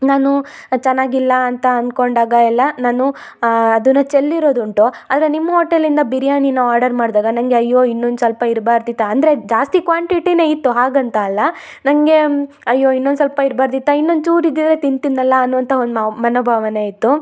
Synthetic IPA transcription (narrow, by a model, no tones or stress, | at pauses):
naːnut͡ʃɛnːaːɡilːɐːnt̪ɐɐnko̞ɳɖaːɡɐɛlːɐnaːnu | ɐd̪unːɐt͡ʃelːiɾo̞ːd̪uɳʈuaːd̪ɾe̞nimːɐɦoːʈːelːind̪ɐbiɾijaːninɐaːɾɖɐɾmaːɽd̪aːɡɐnɐŋɡe̞ɐjːoːinːond̪usɐlpɐiɾbaːɾd̪it̪ːɐːnd̪ɐɾe̞d͡ʒaːst̪ikʋaːɳʈiʈine̞ːit̪ːuɦaːɡɐnt̪ɐːlːɐ | nɐŋɡe̞ | ɐjːo̞ːinːo̞nd̪s̬ɐlpɐiɾbaːɾd̪it̪ːɐinːo̞nd̪t͡ʃuːɾid̪ːid̪ɐɾe̞t̪int̪inːɐlːɐːnːuʋɐnt̪ʰɐond̪mɐnoːbʱaːʋɐne̞ːit̪ːu